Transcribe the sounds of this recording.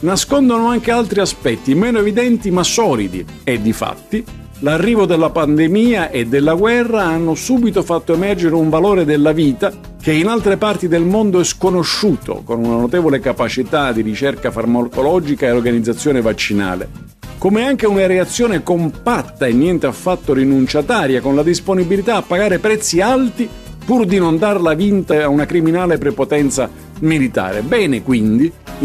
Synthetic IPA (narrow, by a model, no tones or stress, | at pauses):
naskond̪onoaŋk̟ealt̪ɾiaspɛt̪ːimɛːnoevid̪ɛnt̪imasɔːlid̪ḭ | ɛd̪ːifa̰t̪ːi | larːiːvod̪elːapand̪emiːaʔed̪ːelːaɡwɛrːaanːosuːbit̪ofat̪ːoemɛrd͡ʒeɾeuɱvaloːɾed̪elːaviːt̪a | k̟einalt̪ɾepart̪id̪elmond̪oɛskonoʃːuːt̪ʰo̰konunanot̪ɛːvolekapat͡ʃit̪ad̪iɾit͡ʃɛrkafarmakolɔd͡ʒikaeorɡanid̪zːat̪sːjoːnevat͡ʃːina̰ːlḛ | komeaŋk̟eunaɾeat̪sːjoːnekompat̪ːaenːjɛnt̪eafːat̪ːoɾinunt͡ʃat̪aːɾjakonlad̪isponibilit̪aːpːaɡaːɾepɾɛt̪sːialt̪i | purd̪inond̪arlavint̪aaunakɾiminaːlepɾepot̪ɛnt̪sa | milit̪a̰ːɾḛbɛːnekwind̪i